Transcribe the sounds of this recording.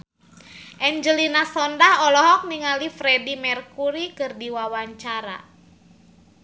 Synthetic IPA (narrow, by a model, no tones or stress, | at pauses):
ʔɛɲd͡ʒəlinasɔndahɔlɔɦɔk̚niŋalifɾɛdimɛrkuɾikɨrdiwawaɲt͡ʃaɾa̰